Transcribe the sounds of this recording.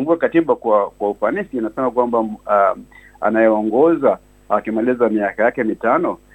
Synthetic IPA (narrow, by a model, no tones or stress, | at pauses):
mbuakatiɓakwakwaufanisiːnasɛmakwamba | a̰najɛɔŋɡɔza | akimalizamiakajakɛmitanɔ